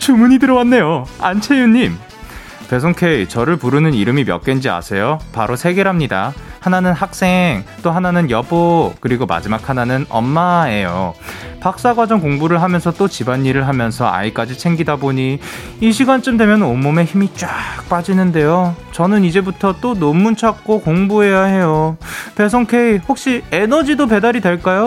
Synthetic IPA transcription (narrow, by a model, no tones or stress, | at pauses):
t͡ɕumuɲidɯɾʌwanːe̞joant͡ɕʰe̞juɲːim | pe̞s̬ʰoŋkʰe̞it͡ɕʌɾɯɭpuɾɯnɯniɾɯmimjʌ̰k͈wend͡ʑia̰sʰe̞jopaɾosʰe̞ɡe̞ɾɦamɲida̰hananɯnɦak̚s͈e̞ŋt͈oɦananɯnjʌbokɯɾiɡoma̰d͡ʑimakʰananɯnʌ̰mːae̞jo̰pak̚s͈aɡwad͡ʑʌŋkoŋbuɾɯɭɦamjʌnsʰʌt͈ot͡ɕibaɲːiɾɯɭɦamjʌnsʰʌ̰a̰ik͈ad͡ʑit͡ɕʰe̞ŋɡidaboɲi | iɕʰiɡant͡ɕ͈ɯmdwe̞mjʌnomːume̞çimit͡ɕ͈ak̚p͈ad͡ʑinɯnde̞jot͡ɕʌnɯnid͡ʑe̞butʰʌt͈onomːunt͡ɕʰak̚k͈okoŋbuɦe̞jahe̞jope̞sʰʌŋkʰe̞ihok̚ɕ͈ienʌd͡ʑidop̬e̞daɾidwe̞ɭk͈ajo